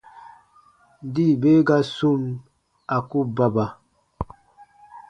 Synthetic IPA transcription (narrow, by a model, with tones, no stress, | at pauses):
di˦˨be˦ɡa˦su˦˨m | a˨ku˦ba˦ba˨